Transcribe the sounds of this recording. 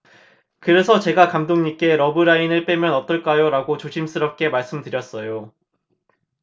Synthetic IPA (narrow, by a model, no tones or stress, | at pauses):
kɯɾe̞sʰʌt͡ɕe̞ɡakamdoŋɲik͈e̞ɾʌbɯɾainɯɭp͈emjʌnʌt͈ʌɭk͈ajoɾaɡot͡ɕoɕʰims͈ɯɾʌp̚k͈e̞maɭs͈ɯmtɯɾjʌs͈ʌjo